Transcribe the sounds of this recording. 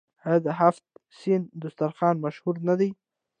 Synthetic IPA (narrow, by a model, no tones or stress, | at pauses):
had̪əɦaft̪̚sind̪ʊst̪aɾxɑnmaʃhuɾnad̪aj